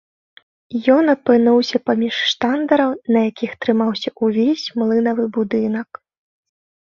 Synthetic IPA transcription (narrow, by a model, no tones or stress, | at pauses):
jɔnɐpɨnuwsʲɐpamʲiʂːt̪and̪ɐɾɐwnɐjakʲixt̪ɾɨmawsʲɐʔuvʲesʲmlˠɨnɐvɨbud̪ɨnɐk